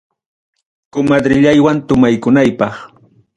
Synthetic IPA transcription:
kʊmad̪ɾɪʎajwant̪ʊmajkʊnajpɑχ

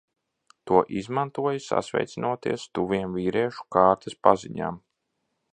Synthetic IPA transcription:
t̪uɔʔizmant̪uɔjasa̰svʲɛ̰jt̪sinʔuɔt̪ḭɛst̪uviɛmviːɾɛɛʃu̥kaːɾt̪ɐspaziɲa̰ːm

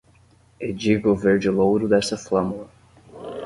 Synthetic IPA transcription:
ed͡ʒiɡʊveɾd͡ʒɪlowɾʊd̪ɛst̪ɐflɐ̃mulɐ

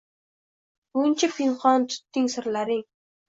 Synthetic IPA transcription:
unt͡ɕʰɪ̆pinχɔːnt̪ʊ̥t̪ːiːŋsə̆rlaɾiŋ

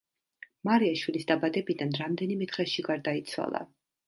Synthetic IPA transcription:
maɾiaʃwilisd̪abad̪ɛbid̪anɾamd̪ɛnimɛt̪ʰɾɛʃiɡaɾd̪ait̪sʰwa̰lˠa̰

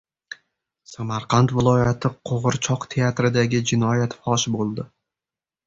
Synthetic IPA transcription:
samaɾqʰant̪vɪlˠɒjat̪ʰɪqʰoʁɨɾt͡ʃʰɒqt̪ʰe̞at̪ɾɪd̪aɡʲɪd͡ʒɪnɒjat̪fɒʃbolˠd̪ɪ

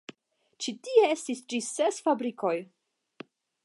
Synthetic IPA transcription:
t͡ʃitieestisd͡ʒisesfabɾiko̞j

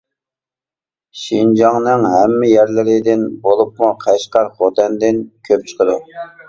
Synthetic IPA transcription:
ʃind͡ʒɑŋnɨŋɦɛmːɪjæɾlɪɾɪd̪ɪnbolˠup̚muqʰæʃqɑɾχot̪ɛnd̪ɪnkʲʰøp̚t͡ʃʰə̥qəd̪u

